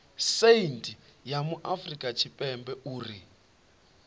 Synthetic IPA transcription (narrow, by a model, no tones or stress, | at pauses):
seintʼijamuʔafrikʼat͡ʃʰipʼɛmbɛʔuːri